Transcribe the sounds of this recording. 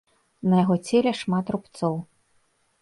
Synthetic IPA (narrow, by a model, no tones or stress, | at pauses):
nɐjaɣɔt͡sʲelʲɛʂmat̪rupt̪sɔw